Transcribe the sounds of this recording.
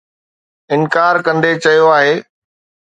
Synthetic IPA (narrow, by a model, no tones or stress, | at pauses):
ɪnkaːɾkɐ̃nd̪et͡ɕɐjoaːɦeː